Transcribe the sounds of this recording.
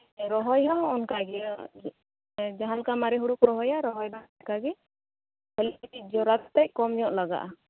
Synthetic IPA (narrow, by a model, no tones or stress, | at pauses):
ɾɔɦɔjɦaɔnkaɡɛ | d͡ʒaɦãlkamaɾɛɦuɽukɾɔɦɔjaɾɔɦɔjbankaɡɛ | bɛlit̪id͡ʒɔɾat̪t̪ac̚kɔmɲɔʔlaɡa̰ʔa